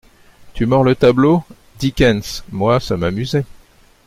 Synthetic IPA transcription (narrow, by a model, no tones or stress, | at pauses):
t̪ymœʁlət̪ablo | d̪ikʲɛnsmwasamamyzɛ